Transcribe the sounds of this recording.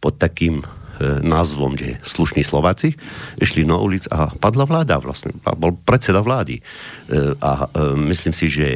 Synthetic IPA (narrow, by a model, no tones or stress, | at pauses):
pɔt̪̚ːakiːm | naːzʋɔ̰mɡɛsluʃniːslɔʋaːt͡siʔiʃlinaʔṵlit͡sa̰pad̪laʋlaːd̪aʋla̰sɲɛ̰a̰bɔlpɾɛt̪sɛd̪aʋlaːd̪ḭ | ʔamisliːmsiʒɛ